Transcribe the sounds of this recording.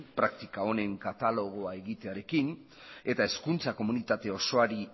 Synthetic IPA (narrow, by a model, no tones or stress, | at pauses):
pɾakt̪ikao̞ne̞ŋkat̪alo̞ɣ̞o̞ae̞ɣit̪e̞aɾe̞kin | e̞t̪ae̞skunt͡sako̞munit̪at̪e̞o̞so̞aɾi